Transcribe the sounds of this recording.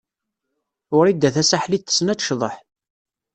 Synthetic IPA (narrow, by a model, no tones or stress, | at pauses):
ʊɾid̪ːæθæsaħlit̪ːə̥snæt͡sʃðˤəħ